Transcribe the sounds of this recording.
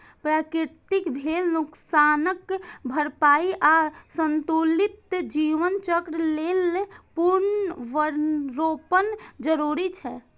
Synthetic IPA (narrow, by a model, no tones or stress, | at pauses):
pɾakɾiɾt̪ikbʱelnuksanəkbʱəɾpaiʔasənt̪ulit̪d͡ʒiʋənt͡ʃəkɾlelpuɾnʋəɾɾopənd͡ʒəɾuɾit͡ʃʰɛ